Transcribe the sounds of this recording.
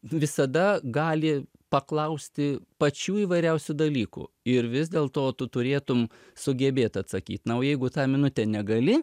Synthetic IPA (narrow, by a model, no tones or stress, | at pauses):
ʋʲɪsɐd̪ɐɡɑːlʲɪ | pɐklˠɐʊsʲt̪ʲɪpɐt͡ʃʲuːiːʋɐɪɾʲɛʊsʲʊd̪ɐlʲiːkṵː | ɪɾʋʲɪzd̪ʲeːlˠt̪oːt̪ʊt̪ʊɾʲeːt̪ʊm | sʊɡʲɛbʲeːt̪ɐt̪sɐkʲiːt̪nɐoːjɛɪɡʊt̪ɑːmʲɪnʊt̪ʲɛnʲɛɡɐlʲɪ